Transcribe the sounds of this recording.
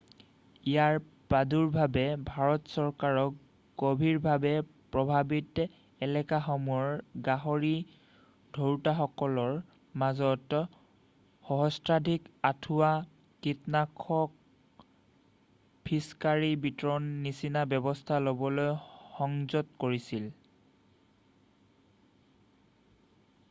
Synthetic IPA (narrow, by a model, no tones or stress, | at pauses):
ijaɹ | paduɹbʱabɛbʱaɹɔtsɔɹkaɹɔk | ɡ̥obʱiɹbʱabɛpɹɔbʱabit | ɛlɛkaxɔmuɔɹɡaɦɔɹi | dʱoɹtaxɔkɔlɔɹ | mazɔt | xɔɦɔstɹadʱikatʰuwa | kitnakʰɔk̚ | pʰiskaɹibitɹɔnːisinabjɔbɔstʰalobɔlojxɔŋzɔtkoɹisil